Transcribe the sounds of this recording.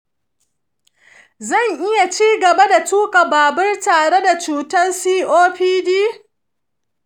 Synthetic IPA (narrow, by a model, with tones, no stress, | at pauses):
zɐ˦˨ŋʔɪ˦ja˨t͡ʃiː˦ɡɐ˨ba˦da˨t͡ʃtuː˦kʼa˨baː˨bɐ˦rtaː˨ɽe˦da˨t͡ʃuː˨tɐ˦nsiː˦ʔoː˦ɸiː˦diː˦